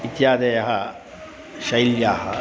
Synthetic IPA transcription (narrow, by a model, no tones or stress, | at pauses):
it̪jaːd̪ɐjɐɦɐ | ʃɐjljaːɦɐ̰